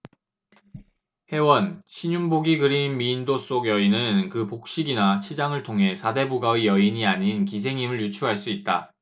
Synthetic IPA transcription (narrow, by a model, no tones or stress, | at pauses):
he̞wʌnɕʰiɲunboɡiɡɯɾinmiːndos͈oɡjʌinɯnkɯpok̚ɕ͈iɡinat͡ɕʰid͡ʑaŋɯɭtʰoŋɦe̞sʰade̞buɡaijʌiɲiaɲinkis̬ʰe̞ŋimɯɭjut͡ɕʰuɦaɭs͈uit̚t͈a